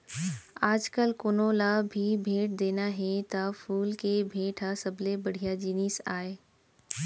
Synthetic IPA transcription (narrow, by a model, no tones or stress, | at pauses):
aːd͡ʒkəlkoːnoːlabʱibʱeːʈ̚d̪eːnaɦẽt̪ɐfuːlkebʱeːʈʰasɐblebɐɽ̤ijad͡ʑiːniːsaːeː